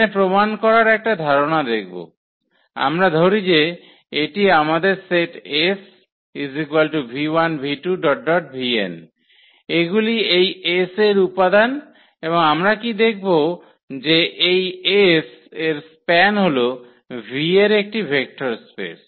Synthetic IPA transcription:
epɾomankɔɾaɾɛk̚ʈad̪ʱaɾonad̪ek̚ʰbo̰ | a̰mɾad̪ʱoɾid͡ʑe | eʈiamad̪eɾseʈes | izikwalʈubʱiwanbʱiʈuɖɔʈ̚ɖɔʈ̚bʱiḛn | eɡuliejeseɾupad̪an | eboŋamɾakid̪ekʰbo | d͡ʑeʔejeseɾspɛnɦolo | bʱieɾek̚ʈibʱek̚ʈoɾspḛs

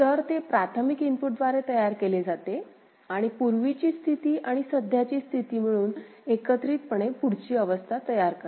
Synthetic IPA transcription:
t̪əɾt̪epɾat̪ʰəmikimpuʈ̚d̪ʋaɾet̪əjaɾkeled͡zat̪e | aɽ̃ipuɾʋit͡ɕiːst̪ʰit̪iːʔaɽ̃isəd̪ʱjat͡ɕiːst̪ʰit̪iːm̤əɭ̃uːn | ekət̪ɾiːt̪̚pəɳepuɽt͡ɕiːəʋəst̪ʰat̪əjaɾkəɾ

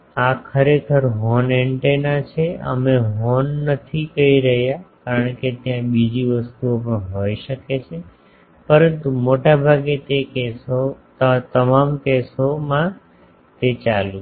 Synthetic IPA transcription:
akʰəɾekʰəɾɦɔnɛɳʈenat͡ʃʰeə̰meɦɔnːət̪ʰikəiɾəɦjakaɾəɳ̃ket̪jãbid͡ʒiʋəst̪uopəɳɦojʃəket͡ʃʰe | pəɾənt̪umoʈabʱaɡet̪ekesotət̪əmamkesomã | t̪et͡ʃalu

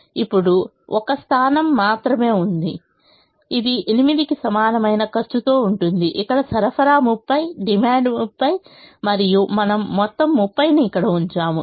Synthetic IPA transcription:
ipːuɽu | ʔɔkɐst̪ʰaːnɐmːaːt̪ɾɐme̞ːund̪i | id̪ienimid̪ikisɐmaːnɐmɐjnɐkɐɾt͡ʃut̪o̞ːuɳʈund̪iʔikːɐɽɐsɐɾɐfʰɐɾaːmupːɐjɖimaːɳɖmupːɐjmɐɾijumɐnɐmːɔt̪ːɐmːupːɐjniːkːɐɽɐuɲt͡ʃaːmu

